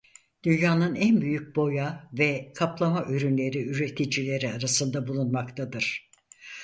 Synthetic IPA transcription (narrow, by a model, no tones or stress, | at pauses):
d̪̥ynjaːnɯnænbyjyc̚bo̞javɛkʰaplˠamaʔyɾynlʲe̞ɾiyɾe̞t̪ʰid͡ʒilʲe̞ɾiaɾasɯnd̪abulˠunmakt̪ʰad̪ɯɾ̥